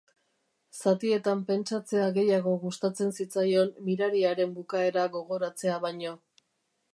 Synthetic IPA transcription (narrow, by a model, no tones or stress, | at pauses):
sat̪ie̞t̪ampe̞nt͡ʃat͡se̞aɣe̞jaɣ̞o̞ɣust̪at͡se̞nsit͡sajo̞nːiɾaɾiaɾe̞mbukae̞ɾaɣo̞ɣo̞ɾat͡se̞aβajɲo̞